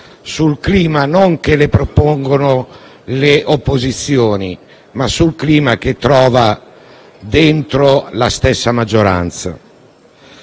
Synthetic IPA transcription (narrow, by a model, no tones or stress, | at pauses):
sulkliːmanoŋkelepɾopoŋɡono | leʔopːozit̪sːjoːni | masːulkliːmak̟et̪ːɾɔːva | d̪ent̪ɾolast̪ɛsːamad͡ʒːoɾa̰nt̪sa̰